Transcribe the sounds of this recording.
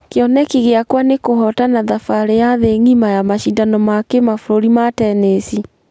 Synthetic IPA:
keɔnɛkiɣeakwanekohɔtanaðafaɾejaðeŋimajamaʃindanɔmakemafoɾoɾimatɛnesi

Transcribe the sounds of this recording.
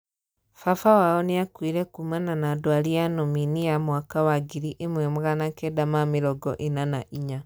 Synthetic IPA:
fafawaoniakwiːɾekumananadwalijanominijamwakawaɡiɾiʔemwemuɣanakedamamiɾɔɡɔ̰ʔinanaʔiɲa

